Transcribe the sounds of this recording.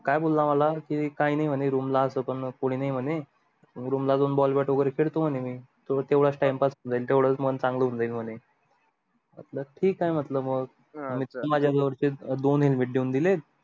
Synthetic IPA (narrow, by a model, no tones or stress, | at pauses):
kajbolːamalakikajnaim̤əneɾumlaəsəpəɳkoɽ̃iːnaim̤əne | ɡɾumlad̪onbɔlbɛʈoɡɾekʰeɭt̪om̤ənemiːt̪ot̪eʋɽ̤at͡sʈajmpasund͡zaiːlt̪eʋɽ̤ət͡smənt͡sãŋɡləund͡zailm̤əne | mə̰t̪ləʈʰiːkːajm̤ət̪ləbməɡ | mit̪mad͡ʑʱjad͡zəʋəɾt͡ɕed̪onɦilmiʈ̚ɖuːnd̪ilet̪